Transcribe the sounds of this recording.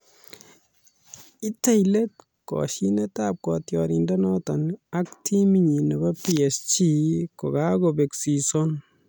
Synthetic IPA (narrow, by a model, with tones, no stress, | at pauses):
i˦te˦jlet̚ | kɔ̰ʃi˦netap̚kɔtjɔɾindanɔ˦tɔna˦k̚tʰi˦mi˦ɲi˨nɛ˨ba˦piɛ˨st͡ʃi˦ko˨ka˦kobe˨ksi˨sɔn